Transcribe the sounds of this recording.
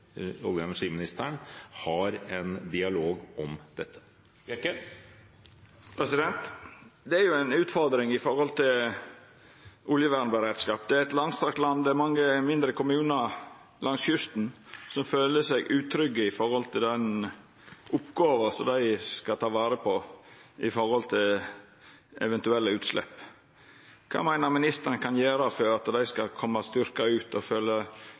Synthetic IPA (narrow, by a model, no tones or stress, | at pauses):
ɔləɑməʂimɪnɪst̪ʰæːɳhɑɾɛnd̪ɪɑloːɡʔɔmd̪̥ɛt̪ʰːə̥ | pʰɾɛsɪd̪ɛnt̪d̪ɛæɾjʊæɪnʉːt̪fɔɾd̪ɾɪŋɪfɔɾhɔlt̪ʰɪl | ʔʊljəʋæːɾɳəbəɾeːd̪skɑːpd̪ɛæɾɛt̪lɑnst̪ɑkt̪lɑnd̪ɛæɾmɑŋːəmɪnd̪ɾəkʰʊmʉːnə | lɑŋsçʉst̪n̩sɔmføːləsɛɡʉːt̪ʰɾʏɡːəɪfɔɾhɔlt̪ʰɪld̪ɛn | ʔʊpːɡɑːʋɑsɔmd̪æɪskɑt̪ʰɑːʋɑːɾəpʰɔɪfɔɾhɔlt̪ʰɪl | ɛ̰ʋɛnt̪ʉɛlːəʉːt̪slɛ̰pː | kʰɑ̰ːmæɪnəɾmɪnɪst̪əɾənəkʰɑnjeːɾɑfɔɾɑt̪d̪æɪskɑkʰɔmːɑst̪ʏɾkɑʉːt̪ɔføːlːə